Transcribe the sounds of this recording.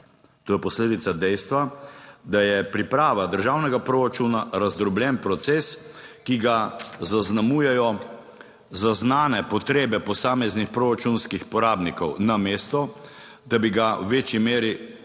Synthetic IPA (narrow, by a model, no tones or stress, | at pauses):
t̪oːjɛpɔsleːd̪it̪sad̪ɛjst̪ʋad̪ajɛpɾipɾaːʋad̪əɾʒaːwnɛɡapɾoːɾat͡ʃunaɾazd̪ɾɔbljɛnpɾɔt̪seːskiɡazaznamuːjɛjɔ | zaznaːnɛpɔt̪ɾeːbɛpɔsaːmɛznixpɾoːɾat͡ʃunskixpɔɾaːbnikɔwnameːst̪ɔ | d̪abiɡawʋeːt͡ʃjimeːɾi